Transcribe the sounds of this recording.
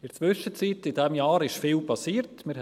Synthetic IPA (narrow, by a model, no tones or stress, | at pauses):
ɪɾt͡sʋʏʃət͡siːtɪdɛmjɑːɾɪʃfiːlpɑsiːɾtmɪɾ